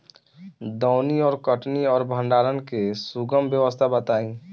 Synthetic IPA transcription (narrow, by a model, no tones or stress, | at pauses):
d̪ɔːʊniɔːɾkəʈniɔːɾbʱə̃ɳɖaːɾənkesuɡəmbjəʋəst̪ʰabət̪aːĩː